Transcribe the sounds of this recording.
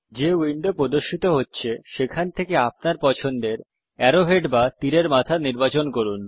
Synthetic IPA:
d͡ʑewiɳɖopɾod̪oʃːit̪oɦotːɕʰeʃekʰant̪ʰekeap̚naɾpɔt͡ɕʰond̪eɾ | ɛɾoɦeɖbat̪iɾeɾmat̪ʰaniɾbat͡ɕonkoɾun

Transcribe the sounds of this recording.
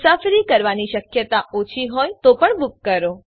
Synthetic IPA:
safɾikəɾʋaniʃəkjət̪aʔot͡ʃʰiɦojt̪opəɳbʊkːəɾo

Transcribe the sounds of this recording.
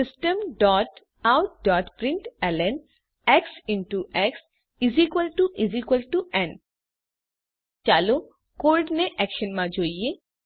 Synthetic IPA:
sistemɖɔt | awdɔʈpɹiɳʈɛlɛn | ɛksintuʔɛks | izikwəlʈuʔizikwəlʈuɛn | t͡ʃalo | koɹɖneʔɛkʃɔnmãd͡ʒoje

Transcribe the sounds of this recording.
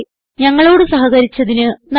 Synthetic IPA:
ɲɐŋːɐɭo̞ːɽɨsɐɦɐɣɐɾit͡ɕːɐðinɨnɐ

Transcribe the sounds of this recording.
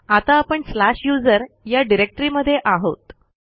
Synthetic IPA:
at̪aːpəɳslaɕjud͡zəɾ | jaɖiɾek̚ʈɾiməd̪ʱːjeʔaɦot̪

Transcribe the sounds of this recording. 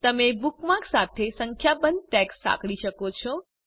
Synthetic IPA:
t̪əmebukmãksat̪ʰesəŋkʰjabənd̪̚ʈɛkssa̰kɭiʃəkot͡ʃʰɔ

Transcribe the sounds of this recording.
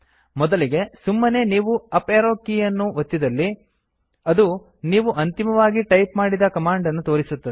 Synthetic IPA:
mɔd̪ɐliɡe̞sumːɐne̞ːniːʋuɐpeːɾoːkijɐnːuʋot̪ːid̪ɐlːi | ɐd̪u | niːʋuʔɐnt̪imɐʋaːɡiʈɐjpmaːɽid̪ɐkɐmaːɳɖɐnːut̪o̞ːɾisut̪ːɐe

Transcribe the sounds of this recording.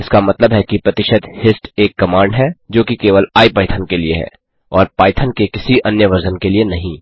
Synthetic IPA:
ɪskamɐt̪ləbɦɛkipɾɐt̪ɪʃəd̪hɪsʈeːkːɐmãːɳɖɦɛd͡ʒoːkikeːʋəlaːipaːɪt̪ʰənkelieɦɛ̰ː | ɔːɾpaːɪt̪ʰənkekɪsiʔɐnjəʋɐɾd͡ʒənkelienɐɦĩː

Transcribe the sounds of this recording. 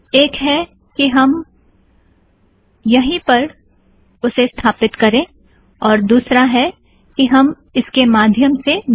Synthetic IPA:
eːkɦɛ | kiɦɐm | jɐɦĩpɐɾ | ʊsest̪ʰaːpɪt̪kɐɾẽː | ɔːɾd̪uːsɾaɦɛ | kiɦɐm | ɪskemaːd̪ʱjəmse

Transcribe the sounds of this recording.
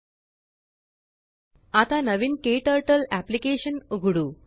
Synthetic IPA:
at̪anəʋinkeːʈəɾʈəlæplikeːɕənoɡuɽuː

